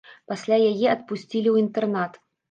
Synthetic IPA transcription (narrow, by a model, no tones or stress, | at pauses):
pasʲlʲajajɛɐt̪̚pusʲt͡sʲilʲiwint̪ɛrnat̪